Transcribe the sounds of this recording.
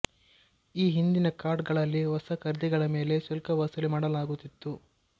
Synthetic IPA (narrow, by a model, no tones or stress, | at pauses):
iːɦind̪inɐkaːɾɖɡɐɭɐlːiʋɐsɐkɐɾd̪iɡɐɭɐme̞ːle̞sɐlkɐʋɐsɐlimaːɽɐlaːɡut̪ːit̪ːu